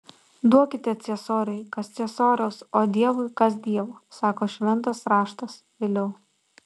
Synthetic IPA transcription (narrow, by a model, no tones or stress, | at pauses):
d̪uɔkʲɪt̪ʲɛt̪sʲɛsoːɾʲɐɪkɐst̪sʲiɛsoːɾʲɛːsoːd̪ʲiɛʋʊɪkɐs̬d̪ʲiɛʋosɑːkoːʃʲʋʲɛnˑt̪ɐsɾɑːʃt̪ɐs | ʋʲelʲɛʊ